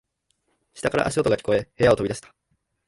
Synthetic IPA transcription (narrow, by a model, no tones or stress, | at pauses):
ɕi̥t̪akaɾa̰ʔaɕio̞t̪oɡakʲi̥ko̞e̞he̞jao̞t̪oid̪aɕi̥t̪ḁ